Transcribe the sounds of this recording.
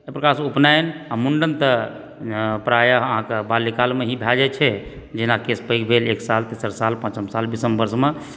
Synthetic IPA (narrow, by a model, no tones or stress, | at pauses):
epɾəkasupnajnamuɳɖənt̪ə | pɾajaəɦãkebalːikalmeɦĩbʱɛd͡ʒat͡ʃʰɛ | d͡ʒinakespəjkbʱeleksalt̪isəɾsalpãt͡ʃəmsalbisəmbəɾsme